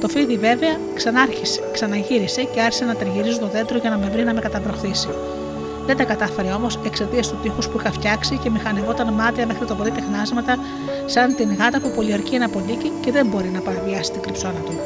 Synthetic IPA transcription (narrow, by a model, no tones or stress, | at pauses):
t̪o̞fiðive̞ve̞ɐ | sɾsksɐnɐʝiɾise̞ceɐɾçi̥senɐt̪ɐɾʝiɾiz̬ut̪o̞ðe̞nd̪ɾo̞ʝɐnɐme̞vɾinɐme̞kɐt̪ɐpɾo̞xθisio | ðed̪ɐkɐt̪ɐfe̞ɾeo̞mo̞se̞kse̞t̪iɐst̪ut̪ixuspuixɐft̪çɐksice̞mixɐnevo̞t̪ɐnmɐt̪iɐme̞xɾit̪opoɾit̪exnɐzmɐt̪ɐ | sɐnt̪inɣɐt̪ɐpupo̞liɐɾciɐnɐpolicice̞ðe̞mbo̞ɾinɐpɐɾɐviɐsi̥st̪iŋɡɾipso̞nɐt̪u